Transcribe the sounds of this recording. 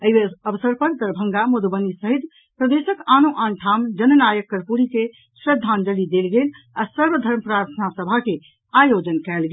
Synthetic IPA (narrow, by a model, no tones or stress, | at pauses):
əɦeəʋəsəɾpəɾd̪əɾbʱəŋɡamud̪bənisəɦit̪ | pɾəd̪esəkanuʔanʈʰamd͡ʒənənajəkːəɾpuɾike | sɾəd̪ʱːand͡ʒəlid̪elɡel | asəɾʋəd̪ʱəɾməpɾaɾt̪ʰənasəbʱake | ajod͡ʒənkɛlɡel